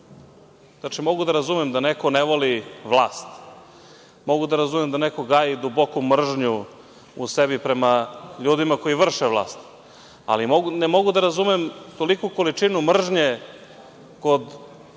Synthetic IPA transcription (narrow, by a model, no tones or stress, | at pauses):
znat͡ʃimo̞ɡud̪aɾazumɛmd̪anekoneʋoliʋlˠaːst̪ | mo̞ɡud̪aɾazumemd̪anekoɡaːjid̪ubo̞kumr̩ʒɲu | usebipɾe̞maʎuːd̪imako̞jiʋr̩ʃeʋlˠa̰ːst̪ | a̰limoɡunemo̞ɡud̪aɾazumemt̪o̞likuko̞lit͡ʂinumr̩ʒɲe | ko̞d̪